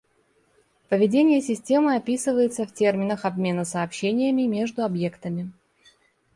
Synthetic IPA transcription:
pəvʲɪdʲenʲɪjəsʲɪsʲtʲe̞mɨɐpʲisɨvəjɪt̪səftʲe̞rmʲɪnəxɐbmʲe̞nəsəːpɕːenʲɪjəmʲɪmʲe̞ʐd̪ʊɐbje̞kt̪əmʲɪ

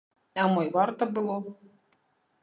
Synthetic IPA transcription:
ɐmɔjvart̪ɐbɨlˠɔ

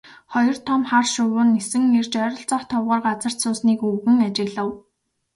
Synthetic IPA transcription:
χɔjɞ̆r̥t̪ʰɔmχarʃʊwʊːnːesɘ̆ŋert͡ɕœɾʲɞ̆ɮt͡sɔχt̪ʰɔwʁʊːrɢat͡sə̆r̥t̪sʊːsniːkuɣɘ̆ŋat͡ɕɪ̆ɣɮə̆w

